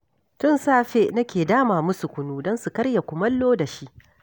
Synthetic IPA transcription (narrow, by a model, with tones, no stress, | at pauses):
tʊ˦nsaː˦ɸe˦ʔnɐ˦kʲeː˨daː˦maː˨mʊ˦su˨kʷʊ˦nuː˦dɔ˦nsu˨kɐ˦ɽja˨kʷʊ˨mɐ˦lːoː˦da˨ʃi˦ʔ